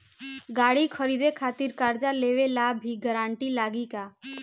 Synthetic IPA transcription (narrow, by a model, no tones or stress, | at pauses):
ɡaːɽikʰəɾiːd̪ekʰaːt̪ɪɾkaːɾd͡ʒaleːʋelaːbʱiɡəɾãːɳʈilaːɡikaː